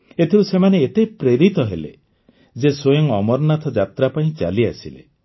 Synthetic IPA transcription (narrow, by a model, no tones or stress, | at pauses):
et̪ʰiusemaneet̪epɾeɾit̪ɔɦelḛ | d͡ʒesojɔŋɔmɔɾnat̪ʰɔd͡ʒat̪ɾapaĩt͡ʃa̰liasilḛ